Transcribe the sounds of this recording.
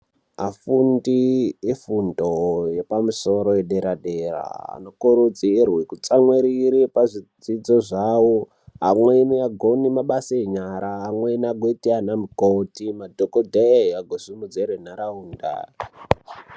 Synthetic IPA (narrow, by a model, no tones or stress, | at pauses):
afundiefundojepamusoɾo̞jeɗeɾaɗera̰ːnokuɾud͡zierwekut͡saŋweɾiɾipaʐid͡zid͡zoʐawo | ɦa̰mweiniaɡʱonimaɓasaeɲaɾaɦamweiniaɡʱetianamukotimadʱokodʱejaɡʱosimud͡zeɾenaɾauːnda̰i